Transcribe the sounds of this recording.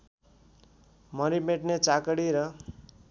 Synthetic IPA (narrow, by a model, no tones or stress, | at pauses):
mʌɾimeʈnet͡sakʌɽiɾʌ